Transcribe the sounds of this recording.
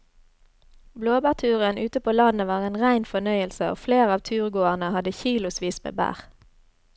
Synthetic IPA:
bloːbæːʁt̪ʰʉːʁənʔʉːt̪əpʰoːlɑnəʋɑːʁeːnʁæɪnfɔnœʏəlsəo̰ːfleːʁɑːʋt̪ʰʉːʁɡoːəʁnəhɑd̪əçiːlʊsʋiːsmḛːbæ̰ːʁ

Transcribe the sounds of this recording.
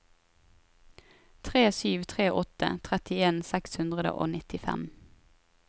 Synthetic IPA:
t̪ʰʁeːsyːʋt̪ʰʁeːʔɔt̪ə̰t̪ʰʁɛt̪ɪeːnsɛkshʉnd̪ʁəd̪ə̰ʔo̰ːnɪt̪ɪfɛ̰m

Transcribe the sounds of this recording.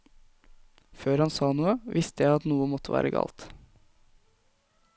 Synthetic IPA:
føːɾhɑnsɑːnuːəʋɪst̪əjæɪɑt̪nuːəmɔt̪ʰːəʋæ̰ːɾʔəɡɑ̰ːlt̪

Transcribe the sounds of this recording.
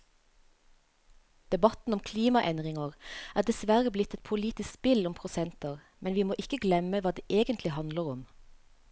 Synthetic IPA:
d̪̥ɛbɑt̪n̩ɔmkʰliːmɑʔɛnd̪ʁɪŋəʁæːd̪ɛsʋæʁəblɪt̪ɛt̪̚pʰʊliːt̪ɪskspɪlʊmpʰʁʊsɛnt̪əʁ | mɛnʋiːmoːʔɪkəɡlɛməʋɑːd̪eːʔeːɡənt̪ʰlɪhɑnd̪ləʁʊm

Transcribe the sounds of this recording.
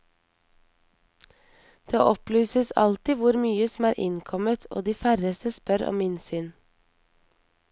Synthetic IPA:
d̪̥eːʔɔplyːsəsɑ̰lt̪ɪʋʊɾmyːəsm̩æːɾʔɪ̰nkʰɔmət̪ʰo̰ːd̪iːfæɾəst̪əspœɾɔ̰mminsyːn

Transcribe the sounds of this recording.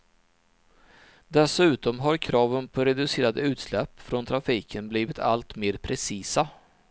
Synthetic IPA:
d̪ɛsʉ̟ːt̪ɔmɦaɾkʰɾɑːvənpʰɔɾɛd̪ɵseːɾad̪əʉ̟ːt̪slɛpːfɾɔnt̪ʰɾafiːkʰənbliːvɪt̪ʰa̰lt̪meːɾpʰɾɛsiːsa

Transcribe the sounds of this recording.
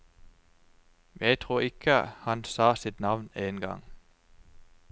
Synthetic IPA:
jæɪt̪ʰʁuːʁɪkʰəhɑnsɑːsɪt̪nɑʋneːnɡɑ̰ŋ

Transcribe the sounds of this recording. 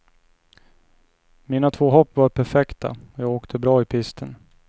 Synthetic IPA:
miːnat̪ʰvoːɦɔpːvaɾpʰæɾfɛkt̪a̰ɔjɑːɡoːkt̪ʰəbɾɑːɪpʰɪst̪ʰən

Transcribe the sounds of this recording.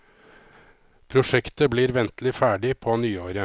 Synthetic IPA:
pʰɾʊʂɛkt̪əbliːɾʋɛnt̪lɪfæːɖɪpʰoːnyːoːɾə

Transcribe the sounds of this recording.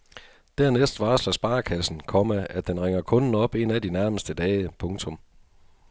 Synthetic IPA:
d̥æɐnesd̥ʋɑ̈ːslæsb̥ɑ̈ːkʰæsn̩kʰɒ̽məæd̥enʁeŋ̰ɐkʰɔ̽nn̩ɒ̽b̥e̝næd̥inæɐməsd̥əd̥ɛːɪəpʰɔ̽ŋt͡sʰɔ̽m

